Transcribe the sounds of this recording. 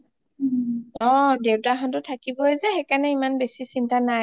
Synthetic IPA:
ɔ̃dewtaɦɔntʊtʰakibɔezɛxekanɛimanbesisintana

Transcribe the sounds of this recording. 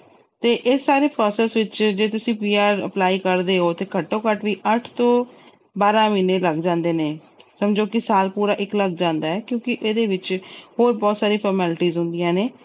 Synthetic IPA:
t̪eːʔɪsːaːɾeːpɾɔːsɛːsʋɪt͡ʃd͡ʒeːt̪ʊsĩːpiːaːɾə̰plaːiːkəɾd̪eːɦoːt̪eːkəʈːõːkəʈʋiːʔəʈʰt̪õː | baːɾãːmiːneːləɡd͡ʒãːnd̪eːneː | səmd͡ʒoːkɪsaːlpuːɾaːʔɪkləɡ̚d͡ʒãːnd̪aːɛːkjõːkɪʔeːd̪eːʋɪt͡ʃhoːɾbɔːt̪saːɾiːpʰɔːɾmɛːlʈiːzɦʊ̃nd̪ijãːneː

